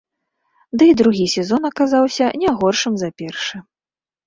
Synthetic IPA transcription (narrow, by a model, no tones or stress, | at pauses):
d̪ɨid̪ɾuɣʲisʲɛzɔnɐkazawsʲɐnʲaɣɔrʂɨmzɐpʲɛrʂɨ